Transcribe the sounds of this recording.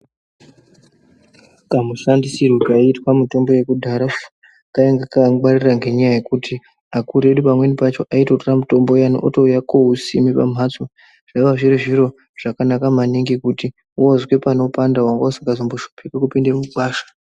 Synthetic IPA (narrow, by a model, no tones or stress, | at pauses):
kamuʃandisirukaitwamuto̞mbo̞je̞kudʱaɾa | kaeŋɡakaɡ͡bariraŋɡe̞ɲajaje̞kutʰi | akuɾe̞ɗupamwe̞nipat͡ʃo̞ʔaitotramuto̞mbojanoʔotoujako̞ɦusimipa̰m̤at͡so | ʐ̥aiʋaʐiriʐiɾo̞ | ʐ̥akanakamaniŋɡikuti | ozwe̞pano̞pandaɦwaŋɡausiŋɡazomboʃopʰikekupindemuɓaːʃḁ